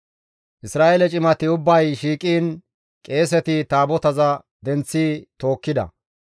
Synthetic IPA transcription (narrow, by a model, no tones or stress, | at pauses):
ʔɪsɾaːʔelɛt͡ʃʼɪmɐt̪ɪʊbːɐjʃiːkʼiːn | kʼe̞ːsɛt̪ɪt̪aːbɔt̪ɐzɐ | d̪ɛnt͡sːiːt̪o̞ːkːɪd̪ɐ̰